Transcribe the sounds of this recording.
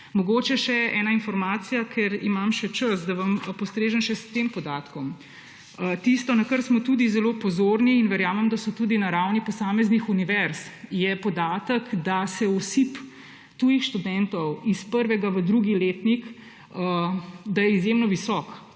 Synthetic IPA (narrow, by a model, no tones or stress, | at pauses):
mɔɡoːt͡ʃɛʃɛʔɛːnainfɔɾmaːt̪sijakʰɛɾimamʃɛt͡ʃəs̬d̪aʋɐmpɔst̪ɾeːʒənʃɛst̪empɔd̪aːt̪kɔm | ət̪ist̪ɔnakəɾsmɔt̪ud̪izɛloːpɔzoːɾniːnʋɛɾjaːməmd̪asɔt̪uːd̪inaɾawnipɔsaːmɛznixuniʋɛɾsjɛpɔd̪aːt̪əkd̪asɛɔsip | t̪ujixʃt̪ud̪ɛnt̪ɔwispəɾʋɛɡaʋəd̪ɾuɡileːt̪nik | əd̪ajɛizjemnɔʋisɔk